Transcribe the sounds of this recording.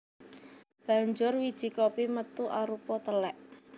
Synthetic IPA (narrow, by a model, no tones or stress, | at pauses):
b̥a̤ɲd͡ʒʊrwid̥ʒ̥i̤kopimət̪uʔaɾupɔt̪əlɛʔ